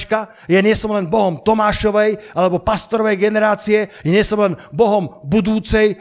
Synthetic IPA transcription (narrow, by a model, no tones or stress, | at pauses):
t͡ʃka | jɛnɪɛsɔmlɛnbɔɦɔmt̪ɔmaːʃɔʋɛjʔalɛbɔpast̪ɔɾɔʋɛjɡɛnɛɾaːt͡siɛjɛɲɪɛsɔmlɛnbɔɦɔmbud̪uːt͡sɛj